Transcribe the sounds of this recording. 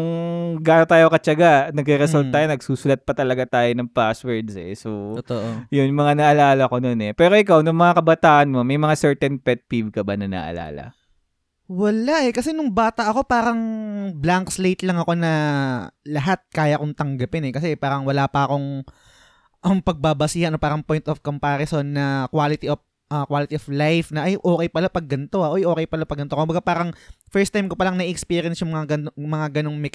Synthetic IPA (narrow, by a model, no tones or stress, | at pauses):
ʊŋɡaːnot̪aːjokɐt͡ʃɐɡanɐɡɾiɾɛalt̪ːaːjonɐɡ̚suːsʊlɐt̪̚pɐt̪ɐlɐɡat̪aːjonɐŋpaswɛɹd̪sɛ̰sot̪ʔjʊnmɐŋanɐʔɐlaːlɐko̞no̞nɛpɛːɾo̞ʔɪkawnʊŋmɐŋakɐbɐt̪aːʔɐnmo̞mɐjmɐŋasɛɹt̪ɛnpɛt̪̚pivkɐbanɐna̰ʔɐ̰la̰ːlɐ̰ | wɐlaʔɛkɐsɛnʊŋbaːt̪ɐʔɐko̞paːɾɐŋblaŋkslejt̪lɐŋɐko̞nɐ | lɐɦat̪̚kaːjɐʔkoŋt̪ɐŋɡɐpɪnɛkɐs̬ɛpaːɾɐŋwɐlaːpɐʔɐko̞ŋ | ʔɐmpɐɡ̚babɐsiːɐnopaːɾɐŋpo̞jnt̪ʔofkompaːɾɐsonːɐkwaːlɪt̪iʔof | ʔɐkwaːlɪt̪ioflajfnɐʔɐjʔo̞ːkɛjpɐlapɐɡːɐnt̪o̞ʔɐʔojʔo̞ːkɛjpɐlapɐɡːɐno̞kokʊmbɐɡapaːɾɐŋfɛɹst̪ajmkopɐlaŋnɐʔiʔɛkspiːɾjɐnsjʊŋmɐŋaɡɐnmɐŋaɡɐno̞ŋmɛk